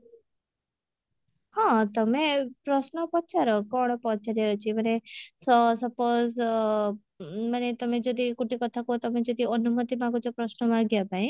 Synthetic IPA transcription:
hɔ̃t̪ɔmepɾɔsnɔpɔt͡ʃʰaɾɔkɔɽ̃ɔpɔt͡ʃaɾjaɾɔt͡ʃʰimanesɔsʌpoz | manet̪ɔmed͡ʒɔd̪ikuʈikɔt̪ʰakot̪ɔmed͡ʒɔd̪iɔnumɔt̪imaɡut͡ʃɔpɾɔsnɔmaɡjapaĩ

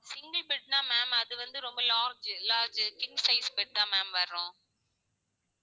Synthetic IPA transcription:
sɪŋɡɐlbɛʈ̚nãːmaːmɐðɯʋɐnd̪ɯɾɔmbɐlaːɾd͡ʒlaːɾd͡ʒkɪŋɡsɐɪsbɛʈ̚t̪ãːmaːmʋɐɾõː

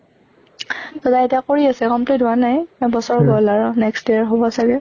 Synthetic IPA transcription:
tɔtaetiakoɹiasɛkɔmplitɦʊanajbɔsɔɹɡɔlaɹʊnɛkstdeaɹɦobɔsaɡɛ

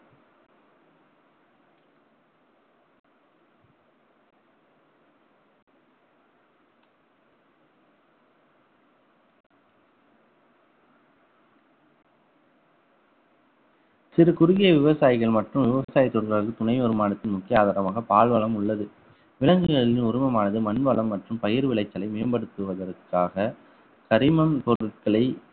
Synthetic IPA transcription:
sɪɾɯkʊɾʊɣɪjɐʋɪʋɐsaːjɪɣɐɭmɐʈrɯ̃mʋɪʋɐsaːjɪt̪ːɔɽɐɾɣaɾkːɯt̪ʊnɐɪɔɾɯmaːɽɐt̪ːɪnmʊkːɪjɐaːðaːɾɐmaːɣɐpaːɭʋɐɭɐmʊɭːɐðɯ | ʋɪlɐŋɡɯɣɐɭɪnʊɾʊmɐmaːnɐðɯmɐnʋɐɭɐmːɐʈrɯmpɐjɪɾʋɪɭɐɪt͡ʃːɐlɐɪmeːmbɐɽɯt̪ːɯʋɐðɐrkːaːɣɐ | kɐɾɪmɐmp̪ɔɾɯʈ̚kɐɭɐɪ

